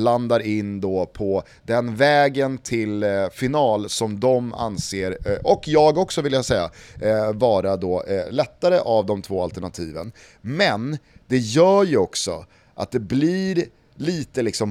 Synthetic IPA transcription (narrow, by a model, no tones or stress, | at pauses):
land̪aɾɪnːd̪ɔpʰɔ | d̪ɛnvɛːɡənt̪ʰɪlfɪnɑːlsɔmd̪ɔma̰nseːɾɔkjɑːɡɔksɔvɪljasɛjːa̰vɑːɾad̪ɔːlɛt̪ːaɾəʔavd̪ɔmt̪ʰvoːalt̪əɳat̪ʰiːvə̰n | mɛnd̪̥ɛjœːɾjɵɔksɔ̰ | ʔa̰t̪̚d̪ɛblɪɾ | liːt̪əlɪksɔm